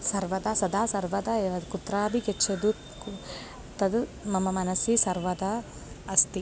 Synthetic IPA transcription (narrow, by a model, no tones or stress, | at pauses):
sɐɾʋɐd̪asɐd̪aːsɐɾʋɐd̪ɐeːʋɐd̪kut̪ɾaːbiket͡ʃʰːed̪u | t̪ɐd̪mɐmɐmɐnɐsisɐɾʋɐd̪a | ɐst̪i